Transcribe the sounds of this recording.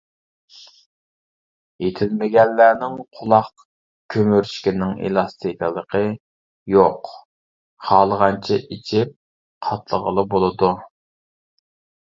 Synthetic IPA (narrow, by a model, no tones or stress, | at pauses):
jet̪ʰɪlmɪɡʲɛnːæːnɪŋqʰʊlˠɑq | kʲʰømyɾʃkʲinɪŋḛlˠɑst̪ʰikəlˠəqʰə | joq | χɑːlˠəʁɑnt͡ʃʰɛʔit͡ʃʰip̚ | qʰɑt̪lˠəʁəlˠəbolˠɨd̪u